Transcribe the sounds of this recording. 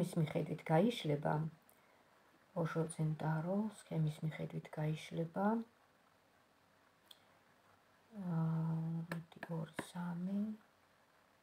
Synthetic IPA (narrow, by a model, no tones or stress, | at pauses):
ismiχɛd̪wit̪ʰɡ̥aiʃlɛba̰ | ɔʒɔt̪sʰɛnt̪ʼaɾɔskʰɛmismiχɛd̪wit̪ʰɡ̥aiʃlɛba | d̪iɔɾisami